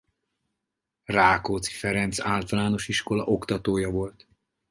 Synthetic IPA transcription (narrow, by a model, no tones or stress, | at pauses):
raːkoːt̪si̥fɛɾɛnt̪saːlt̪ɒlaːno̞ʃiʃko̞lɒʔo̞kt̪ɒt̪oːjɒvo̞lt̪